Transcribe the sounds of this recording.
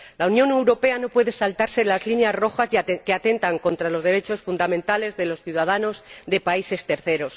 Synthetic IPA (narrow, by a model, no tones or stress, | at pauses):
launjõ̞ne̞wɾo̞pe̞ano̞pwe̞ðe̞salt̪aɾse̞lazlinjazro̞xazke̞at̪e̞nt̪aŋko̞nt̪ɾalo̞zðe̞ɾe̞t͡ʃo̞sfund̪amẽ̞nt̪ale̞zðe̞lo̞sθjuðaðano̞zðe̞paise̞st̪e̞ɾθe̞ɾo̞s